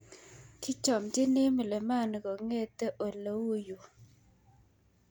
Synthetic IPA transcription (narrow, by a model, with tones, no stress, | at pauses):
kɪ˦t͡ʃɔ˨md͡ʒɪ˦ne˦mɔ˨le˨ma˦˨n˨ɡɔ˨ŋe˦˨t̪e˦ʔo˨lə˦wu˦jo˨